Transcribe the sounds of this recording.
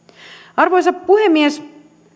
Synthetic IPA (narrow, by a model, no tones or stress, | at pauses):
ɑrʋojsɑppuɦemːies